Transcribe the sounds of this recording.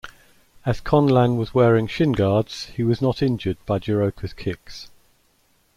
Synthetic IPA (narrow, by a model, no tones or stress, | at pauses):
əz̥kʰɒ̃nlãnwɒzwɛːɹɪ̃ŋʃɪ̃nɡɑːdz̥hiwɒznətɪ̃nd͡ʒəd̚b̥aɪd͡ʒəɹəʊkʰəz̥kʰɪks